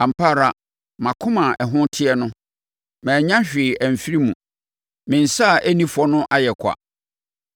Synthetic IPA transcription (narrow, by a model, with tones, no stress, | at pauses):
ã˨m̩˨pʰa˦˨ɾa˦ | mã˨kʰʊ̃˦mã˨ʔɛ˨ɦʊ̃˦tʰɪ˦ɛ˦nʊ̃˦ | mɛ̃ː˨ɲã˦ɕᶣɪ˨æ˨m˨fi˦ɾi˦mũ˨ | mɪ̃˨n̩˨sa˦˨ʔæ˦nĩ˦fɔ˦nʊ̃˦ʔa˦jɛ˨kʰa̰˨